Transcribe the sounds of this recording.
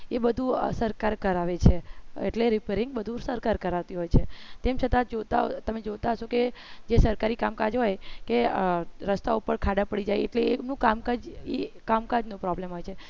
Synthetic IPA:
ebəd̪ʱṵsəɾkaɾkəɾaʋet͡ʃʰeḛʈleɾɪpeɾɪŋɡ̚bəd̪ʱusəɾkaɾkəɾaʋt̪iɦojt͡ʃʰet̪emt͡ʃʰət̪ãd͡ʒot̪a̰t̪əmed͡ʒot̪aɦəʃoked͡ʒesəɾkaɾikamkad͡ʒɦojkeɾəst̪aupəɽkʰad̪apəɽid͡ʒajḛʈleemnũkamkad͡ʒekamkad͡ʒnũpɾɔblemɦojt͡ʃʰe

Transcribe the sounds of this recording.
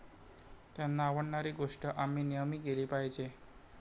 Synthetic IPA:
t̪janːaːʋəɳɳaɾiːɡoʂʈəʔamːiːnijəmiːɡeliːpajd͡ʑe

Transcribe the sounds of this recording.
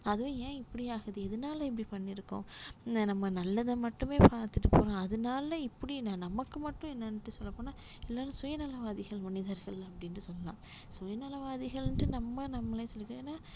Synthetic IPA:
ɐðɯʋẽjẽːɪpːɐɽiaːɣɐðɯɛðɯnaːlɐɛp̬ːɐɽipɐɳːɪɾɯkːʊ̰̃nɐmːɐnɐlːɐðɐmɐʈːɯmeːpaːɾt̪ɯʈːɯpoːɾõːɐðɯnaːlɐɪpːɐɽinãːnɐmɐkːɯmɐʈːʊ̃ɛnːɐnɯʈːɯsɔlːɐpːoːnaː | ɛlːaːɾɯ̃sʊjɐnɐlɐʋaːðɪɣɐɭmɐnɪðɐɾɣɐɭɐpːɐɽɪnɯsɔlːɐlã̰ː | sʊjɐnɐlɐʋaːðɪɣɐɭnʈɯnɐmːɐnɐmːɐlesɔlːɪkːŋnːaː

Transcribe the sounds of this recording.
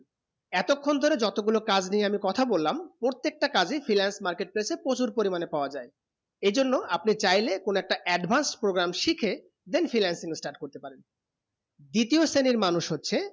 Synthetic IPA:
ɛt̪okʰːond̪ʱoɾed͡ʑɔt̪oɡulokad͡ʑnijeamikɔt̪ʰabolːampɾoɾt̪ːek̚ʈakad͡ʑifʰɾinɛnsmaɾkeʈ̚plesepɾot͡ɕuɾpoɾimanepaoad͡ʑae | ed͡ʑonːoapnit͡ɕajlekonoɛk̚ʈaʔɛɖbʱansʈpɾoɡɾamʃikʰe | d̪enfʰɾilɛnsiŋesʈaɾʈ̚koɾt̪epaɾen | d̪it̪ioseniɾmanuʃɦotːɕʰe

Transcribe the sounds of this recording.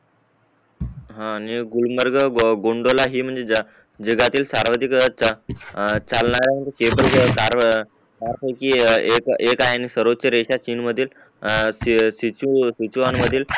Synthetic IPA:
ɦãːñiɡulməɾɡəɡoɳɖolaɦiːm̤əɳd͡zeə | d͡ʑəɡat̪iːlsaɾʋad̪ik | t͡salɳaɾam̤əɳd͡zekebəlkaɾ | kaɾpəjkiːekekajañisəɾot͡seɾeɕat͡ɕiːnməd̪ʱiːl | sisit͡ɕusit͡ɕuʋanməd̪ʱiːl

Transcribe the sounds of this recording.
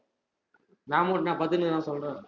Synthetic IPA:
nãːmoːʈnãːpɐt̪ːɯnɯnãːsɔlɾẽː

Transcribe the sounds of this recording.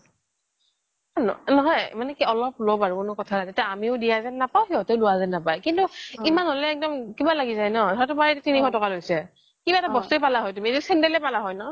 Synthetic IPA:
nɔ̰nɔɦɔjmanɛkiɔlɔp̚lɔbaɹukʊnʊkɔtʰanajtatiaamiʊdijazɛnːapawɦiɔteʊlʊwazɛnːapajkintuimanɦolɛːk̚dɔmkibalaɡizajnɔdʱɔatʊpaɹɛetɛtinikʰɔtɔkalojsɛ | kibaɛtabɔstuepalaɦɔjtumiedisɛndɛlɛpalaɦɔjnɔ

